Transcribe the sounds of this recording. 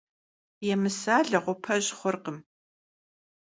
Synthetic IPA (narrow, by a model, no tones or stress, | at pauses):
jɛmɨsaːɮɐʁʷʊpʰɐʑχʷʊrqəm